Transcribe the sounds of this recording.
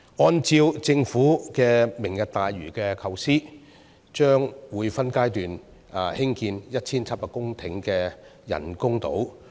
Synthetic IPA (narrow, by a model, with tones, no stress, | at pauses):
ɔː˧nt͡siː˧wt͡sɪ˧ŋfuː˨˥kɛː˧mɪ˨˩ŋjɐ˨t̚t̪aː˨jɥyː˨˩kɛː˧kʰɐ˨˧wsiː˥ | t͡ʃœː˥ŋwuː˨˧jfɐ˥nkaː˥jt̪yː˨n˧ | hɪ˥ŋkiː˧njɐ˥t̚t͡sʰiː˥nt͡sʰɐ˥t̚paː˨kːʊ˥ŋt̪ʰɪ˨˥ŋkɛː˧jɐ̰˨˩nkʊ˥ŋt̪o̰˨˥w